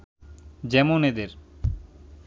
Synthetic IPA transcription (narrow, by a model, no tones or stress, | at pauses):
d͡ʑɛmoned̪eɾ